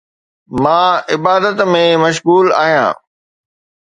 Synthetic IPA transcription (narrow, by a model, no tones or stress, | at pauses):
mãːɪbaːd̪ət̪mẽmɐʃ̬ɣuːla̰ːɦijã̰ː